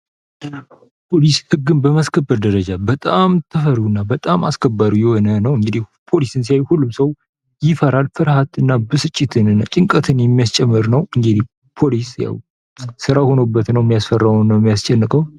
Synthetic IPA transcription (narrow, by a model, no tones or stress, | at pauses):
pʰo̞lishɨɡːɨnbəmaskʰəbːəɾd̪əɾəd͡ʒabət̪ʼamt̪ʰəfəɾuɨnːabət̪ʼamaskʰəbːəɾujɛho̞nənəwɨŋɡɨd̪ihpʰo̞lisɨnsijajhulːumsəw | jɪfəɾalfɨɾhat̪ɨnːabɨsɨt͡ʃʼːɪt̪ʰɨnɨat͡ʃʼɪŋkʼət̪ʰɨnjɛmːijast͡ʃʼɛmːɨɾnəwɨŋɡɨd̪ih | pʰo̞lisja̰w | sɨɾaho̞nobːət̪nəwɛmːijasfərːawunːəwɛmijast͡ʃʼɛnːɨkʼəw